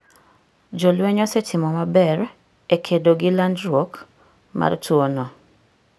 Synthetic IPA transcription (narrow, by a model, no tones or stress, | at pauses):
d͡ʒɔlwɛɲɔsɛtʰɪmɔmabɛr | ekʰedoɡɪlandɾwok | ma̰rtʰwonɔ